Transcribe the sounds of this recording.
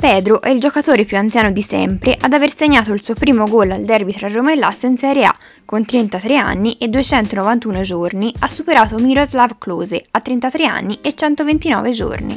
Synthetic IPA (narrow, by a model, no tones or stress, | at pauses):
pɛːd̪ɾoʔɛild͡ʒokat̪oːɾepjuant̪sjaːnod̪isɛ̰mpɾeʔad̪averseɲːaːt̪oilsupɾiːmoɡolːald̪ɛrbit̪ɾarːoːmaelːat̪sːjoinsɛɾjea̰ | kːont̪ɾent̪at̪ɾea̰nːiʔed̪ːuet͡ʃɛnt̪onovant̪uːnod͡ʒorniasːupeɾaːt̪omiɾozlavkluːzeat̪ːɾent̪at̪ɾea̰nːiet͡ʃːɛnt̪ovent̪inɔ̰ːved͡ʒo̰rnḭ